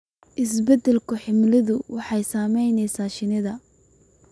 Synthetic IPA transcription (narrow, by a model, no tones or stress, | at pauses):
ʔɪsbɛd̪ɛlkʰʊħɪmlɪðʊwɑħɑjsaːmɛjnɛjsaːʃɪnɪðɐ